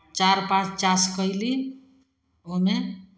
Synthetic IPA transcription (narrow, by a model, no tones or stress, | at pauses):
t͡ʃaɾpãt͡ʃt͡ʃaskəjli | ome